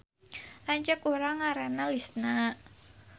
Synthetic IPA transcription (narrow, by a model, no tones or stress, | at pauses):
ʔaɲt͡ʃəkuɾaŋaɾanalisna